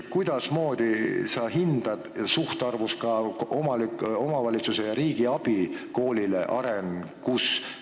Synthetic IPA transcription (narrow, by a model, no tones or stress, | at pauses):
kujd̪̥ɑsmo̞ːd̪̥isɑɦind̪̥ɑd̪̥suht̪ɑrvuskɑomɑlio̞mɑvɑlʲit̪suse̞jɑɾiːɡ̥iɑb̥iko̞ːlʲileʔɑ̰ɾenkus